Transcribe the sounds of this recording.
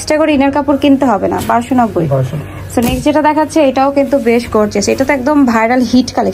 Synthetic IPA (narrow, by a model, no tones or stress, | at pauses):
sʈaɡoɾiinaɾkapuɾkint̪uɦɔbena̰baɾʃonɔk̚boj | sonekd͡ʑeʈad̪ɛkʰatːɕʰeejʈaokint̪ubeʃɡoɾt͡ɕʰat͡ɕʰeʈat̪oɛkd̪ombʱajɾalɦiʈkalek